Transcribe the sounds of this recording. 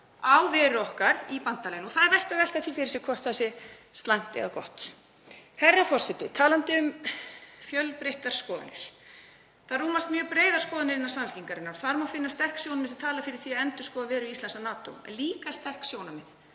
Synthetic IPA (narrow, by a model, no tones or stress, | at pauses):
awvɛːɾʏɔhkaɾipant̪aleːjnɔθaðɛɾvɛr̥t̪avɛl̥t̪aθifɪɾɪ̥sɛkʰvɔr̥t̪θɛsɪst̪laŋ̥t̪ɪ̰ɣakɔ̰ht̪ | hɛrːafɔr̥sɛt̪ɪt̪ʰaːlant̪ɪʏm | fjœlpɾɪht̪aɾ̥skɔːða̰nɪɾ̥ | θarːuːmast̪mjœːɣpɾeːjðaɾ̥skɔːðanɪɾɪnːaɾsal̥ciŋkaɾɪnːaɾɔθaɾmawfɪnːast̪ɛr̥ksjownamɪsat̪ʰaːlafɪɾɪɾ̥θiaɛnt̪ʏ̥skɔːðavɛːɾʏist̪lɛnsanaːt̪o̰ɛ̰liːkast̪ɛr̥ksjoːwnamɛð